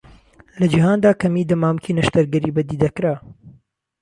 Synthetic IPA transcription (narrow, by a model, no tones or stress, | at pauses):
lɐd͡ʒiɦaːnd̪aːkɐmiːd̪ɐmaːmkʰiːnɐʃt̪ɐɾɡɐɾibɐd̪iːd̪ɐkɾaː